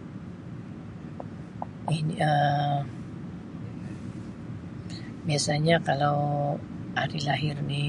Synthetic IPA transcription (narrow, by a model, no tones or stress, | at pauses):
inə | biasaɲakalaw | ʔaɾilaɦɪrni